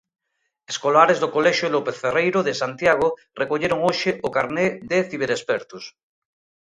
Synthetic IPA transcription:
eskolaɾezðokoleʃjolopeθferejɾoðesant̪jaɣ̞o | rekoʎeɾoŋoʃeʔokaɾneðeθiβ̞eɾespeɾt̪us

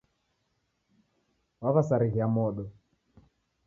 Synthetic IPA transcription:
waβasaɾiɣiamɔɗɔ

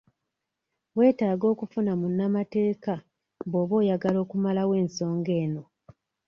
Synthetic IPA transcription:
we̞ːtaːɡo̞ːkufunamunːamate̞ːka | mbo̞ːβo̞ːjaɡalo̞ːkumalawe̞ːnso̞ːŋɡe̞ːno̞

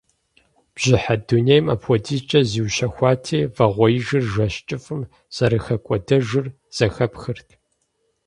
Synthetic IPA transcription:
b̥ʑ̥ɪħadunejmɐpʰwɔdʰiːt͡ʃʼɐziwɕɐxʷɑːtʰeːvɐʁʷɔjɪʒɨrʒɐɕt͡ʃʼɪfɨm | z̥ɐɾɨxɐkʷʼɔdɐʒɨr | z̥ɐxɐpxɨrtʰ

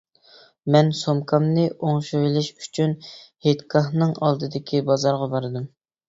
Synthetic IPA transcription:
mɛnsomkʰɑmnɨʔoŋʃujlɪʃy̥t͡ʃʰynhet̪kʰɑχnɨŋɑlˠd̪ɨd̪ɪkʲʰibɑzɑɾʁɑbɑɾɨd̪ɨm

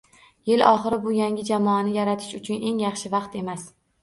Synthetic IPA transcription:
jɪlɒχɨɾɪbʊjaŋʲɪd͡ʒamɒːnɪjaɾat̪ʰɪ̥ʃʊt͡ʃʰʊnʔe̞ŋjɑχʃɪvɑqt̪e̞mas

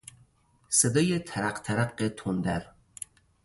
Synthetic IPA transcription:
sed̪ɒːjet̪ʰæɾæqt̪ʰæɾæqːet̪ʰond̪æ̰ɾ

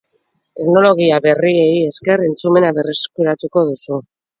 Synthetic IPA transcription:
t̪e̞kno̞lo̞ɣ̞iaβe̞rieie̞ske̞re̞nt͡sume̞naβe̞reskuɾat̪uko̞ðusu

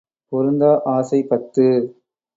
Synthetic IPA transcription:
pʊɾɯnd̪aːʔaːsɐɪpɐt̪ːɯ

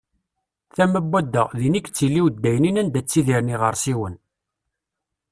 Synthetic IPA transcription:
θæməbːæd̪ːəʁðinikːt͡sːilːiwd̪ːæjninænd̪æt͡sːiðiɾniʁəɾˤsiwən

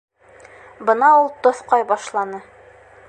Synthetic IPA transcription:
bɤ̆nɑulˠt̪ŏθqɑjbɑʃlˠɑnɤ

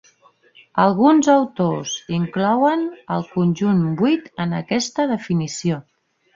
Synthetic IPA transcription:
əlˠɣunzəwt̪oziŋklɔwənəlˠkunʲʒunbuit̪ənəkɛst̪əðəfinisio

